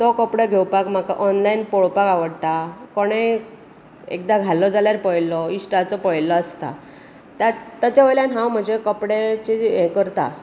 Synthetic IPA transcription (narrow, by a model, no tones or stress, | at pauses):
t̪ɔkəpɽaɡʱewpakm̤akaʔɔnlainpoɭpakaʋəɽt̪akoɽ̃e | ḛk̚d̪aɡʱalːɔd͡zaljaɾpəjlɔisʈat͡sɔpəjlɔəst̪a̰ | t̪jat̪ːat͡ɕaʋəjljanɦãwm̤əd͡ʑekəpɽet͡ɕeẽkəɾt̪a̰